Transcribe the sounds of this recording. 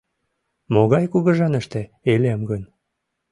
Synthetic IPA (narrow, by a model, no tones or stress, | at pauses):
moɣɑjkuɣəʒɑnəʃt̪e | eleəmɡən